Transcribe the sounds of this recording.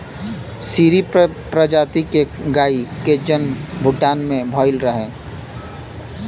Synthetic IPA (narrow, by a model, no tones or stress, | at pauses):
siːɾi | pɾəd͡ʒaːt̪ikeɡaːiked͡ʒənbʱʊʈːaːnmẽbʱɔːɪlɾəɦẽː